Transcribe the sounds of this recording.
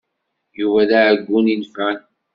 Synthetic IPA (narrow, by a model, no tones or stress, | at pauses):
juvæðaʕɡʷːuninfæn